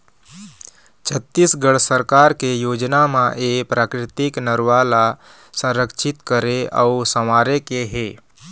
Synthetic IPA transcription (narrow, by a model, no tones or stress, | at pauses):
t͡ʃʰət̪ːisɡəɽsəɾkaːɾkejoːd͡ʒnamãʔeːpɾʔaːkɾɪt̪ɪknəɾʋaːla | sə̃ɾəkʃʰɪt̪kəɾeə̰usəmaːɾekeɦeː